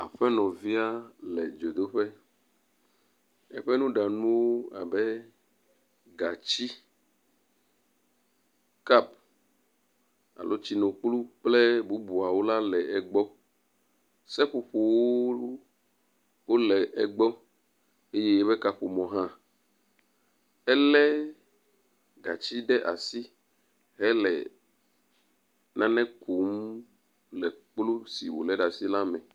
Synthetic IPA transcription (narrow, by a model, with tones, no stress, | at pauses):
a̰˨ɸɛ˦nɔ̃˨vi˦a˦lɛ̰˨d͡ʒo˨d̪o˦ɸɛ˦ | ɛ̰˦ɸɛ˦nũ˦ɖa˨nũ˦wo˦a̰˨bɛ˦ | ɡa˨t͡ɕi˦ | ka˦p̚ | a̰˨lʔo˦t͡ɕi˦nõ˨k͡plu˦k͡ple˦bu˦bu˨a˨wo˦la˦lɛ˨ɛ˨ɡ͡bɔ˦ | sɛ˦ɸu˨ɸo˨wo˦ | wo˦lɛ˨ʔɛ˨ɡ͡bɔ˦ | e˦jɛ˦be˦ka˦ɸo˨mɔ̃˨ɦã˦ | ɛ˦lɛ˦ | ɡa̰˨t͡ʃi˦ɖɛ˦ʔa̰˨si˦ | ɦɛ˦lɛ̰˨ | nã˦nɛ̃˦kʰu˨m | lɛ˨k͡plu˦sḭ˨wo̰˨lɛ˦ɖa˨si˦la˦mɛ̃˨